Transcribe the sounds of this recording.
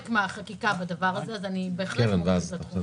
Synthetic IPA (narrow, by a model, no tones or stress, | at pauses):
kmaχakikabad̪avaʁazeazanibeːχlkeanveazaa